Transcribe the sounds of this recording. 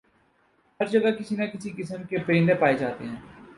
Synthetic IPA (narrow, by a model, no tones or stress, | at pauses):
hɐɾd͡ʒəɡakɪsinakɪsikɪsəmkepəɾɪ̃ːnd̪epaːed͡ʒaːt̪ḛɦɛ̃ː